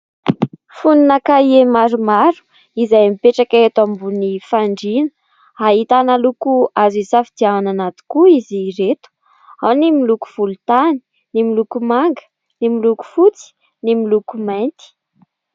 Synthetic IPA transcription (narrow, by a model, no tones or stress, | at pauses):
funinakaiemaɾumaɾu̥ | izajmipeʈ͡ʂakaet̪ambunifaɳɖ͡ʐinə̥ | aɦit̪analukuazisafid̪iananat̪i̥kuiziɾet̪u̥ | awnimiluku̥v̥ulut̪ani̥ | nimilukumaŋɡə̥ | nimiluku̥fut͡si̥ | nimilukumajnt̪i̥